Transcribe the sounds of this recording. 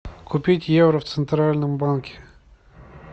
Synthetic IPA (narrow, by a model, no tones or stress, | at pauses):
kʊpʲitʲjevɾəft̪sɨnt̪ɾalʲnɨmbankʲɪ̥